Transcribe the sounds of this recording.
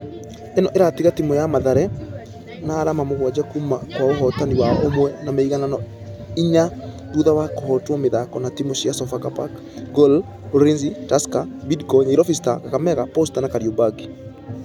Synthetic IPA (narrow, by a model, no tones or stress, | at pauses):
enɔʔeɾatiɣatimɔjamaðaɾɛ | naːɾamamoɣwad͡ʒakumakwaoɦɔtaniwaomwɛnamaiɣananɔ | iɲa | buðawakohɔtwɔmeðakɔnatimoɕjasɔfakapak | ɡɔl | oɾinzitaskabidkɔɲeɾɔfistakakamɛɣapɔstanakaɾiobaɡi